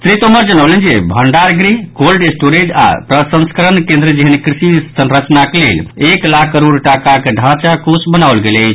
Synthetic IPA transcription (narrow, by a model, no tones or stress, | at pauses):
t̪ɾit̪oməɾd͡ʒənəwlənd͡ʒebʱəɳɖaɾɡɾikolɖesʈoɾed͡ʒa̰pɾəsə̃nskəɾənkẽnd̪ɾəd͡ʒeɦənikɾisisənɾət͡ʃnakelḛleklakʰːəɾuɽʈakakeɖʱãt͡ʃakosbənawlɡeləɪt͡ʃʰ